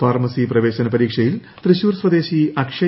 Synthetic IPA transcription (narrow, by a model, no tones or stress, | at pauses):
faːrmɐsiprɐʋeːɕɐnɐpɐɾiːkʂɐjil | t̪riɕuːɾsʋɐd̪e̞ːɕiɐkʂɐ